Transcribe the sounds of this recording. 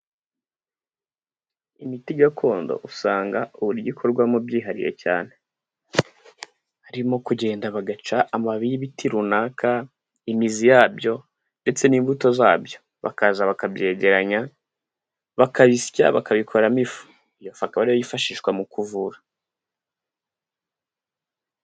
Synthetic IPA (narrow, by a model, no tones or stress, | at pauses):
imitiɡakʰo̞ːndo̞̰ʔusaːŋɡauβuɾiɟikʰo̞ɾɡwamubɟiːɦaɾḭje̞̰ca̰ːne̞ | haɾimo̞kuɟe̞ːndaβaɡat͡ʃaːmaβijiβitiɾunaːkʰa | imizijaːbjo̞ | nde̞t͡se̞niːɱbuto̞za̰ːbjo̞ | βa̰kazaβakabɟe̞ːɟe̞ɾaɲa | βakaβisca̰βakaβikʰo̞ɾamifu̥ | ijo̞fakaβaɾiβojifaʃiːʃkwamukuvuɾa